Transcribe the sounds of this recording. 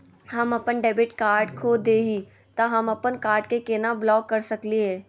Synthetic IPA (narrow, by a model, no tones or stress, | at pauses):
hɐmɐpənɖeːbɪʈkaːɾɖkʰoːd̪eːɦi | t̪ɐɦɐmɐpənkaːɾɖkekeːnablɔːkːɐɾsɐkliɦɛː